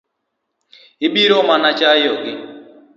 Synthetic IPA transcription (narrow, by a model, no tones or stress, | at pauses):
ɪbiɾomanat͡ʃajɔɡɪ